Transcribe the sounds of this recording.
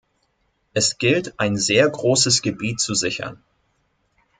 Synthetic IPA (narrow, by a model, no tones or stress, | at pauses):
ʔɛsɡ̥ɪltʔaɪnzeːɐɡʁoːsəsɡ̥əbiːtt͡suzɪçɐ̰n